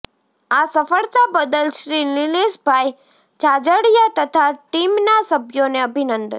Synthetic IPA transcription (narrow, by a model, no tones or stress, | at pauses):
asəfəɭt̪abəd̪əlʃɾinɪleʃbʱaj | t͡ʃad͡ʒəɽjat̪ət̪ʰaʈimnasəbʱjoneəbʱinənd̪ə